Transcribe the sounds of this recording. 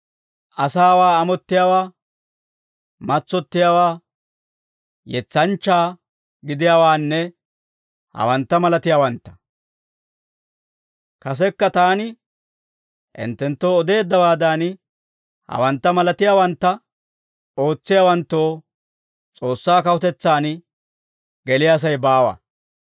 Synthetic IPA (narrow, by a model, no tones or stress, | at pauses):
ʔɐsaːwaːɐmɔt̪ːɪjaːwaː | mɐt͡sːɔt̪ːɪjaːwaː | jɛt͡sːɐnt͡ʃːaː | ɡɪd̪ɪjaːwaːnːɛ | hɐ̰wɐnt̪ːɐmɐlɐt̪ɪjaːwɐnt̪ːɐ̥ | kɐs̬ɛkːɐt̪aːnɪ | ʔɪ̰nt̪ːɛnt̪ːo̞ːɔd̪e̞ːd̪ːɐwaːd̪aːn | hɐ̰wɐnt̪ːɐmɐlɐt̪ɪjaːwɐnt̪ːɐ | o̞ːt͡sːɪjaːwɐnt̪ːo̞ː | t͡sʼo̞ːsːaːkɐwɔt̪ɛt͡sːaːn | ɡɛlɪjas̬ɐjbaːwa̰